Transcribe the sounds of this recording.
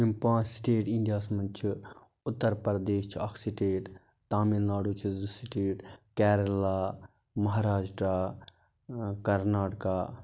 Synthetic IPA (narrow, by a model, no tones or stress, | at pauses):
impãːsʈeːʈĩnɡaːsmɐnt͡ʃʰi | ʊt̪ːəɾpɾɐd̪eːʃt͡ʃʰiakʰsiʈeːʈ | t̪aːmilnaːɽuːt͡ʃʰizusiʈeːʈkɛːɾɐlaː | mɐɦaɾaːd͡ʒʈaː | kɐɾnaːʈkaː